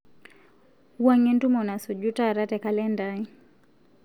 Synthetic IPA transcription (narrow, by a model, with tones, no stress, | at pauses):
uwa˦ŋɛ˦ntu˦mɔ˨na˨su˨d͡ʒu˦ta˦˨ɾa˦tɛ˨ka˨lɛ˦nda˦i˦